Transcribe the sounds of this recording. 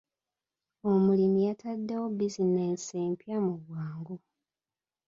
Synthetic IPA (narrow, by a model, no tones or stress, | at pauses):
omulimijatadːewobizineseːmpjamuɡwaːŋɡo